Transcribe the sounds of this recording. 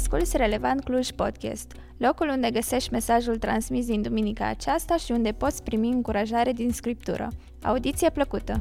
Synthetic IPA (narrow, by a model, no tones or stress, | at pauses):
skult̪sʲre̞le̞vant̪̚kluʒʲpo̞̰d̪kʲḛst̪ | lo̞kulund̪e̞ɡəse̞ʃt̪ʲme̞saʒult̪ɾansmis̬d̪ind̪uminika̰ːt͡ʃast̪aʃiund̪e̞po̞t̪sʲpɾimiɨŋkuɾaʒaɾe̞d̪inskɾip̚t̪ṵɾə̰ | a̰ud̪it̪sijepləkut̪ə